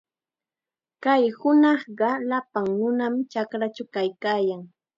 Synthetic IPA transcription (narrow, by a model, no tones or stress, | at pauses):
kajhʊnɑχɢɑlapaŋnʊnamt͡ʃakɾat͡ʃakajkaːjaŋ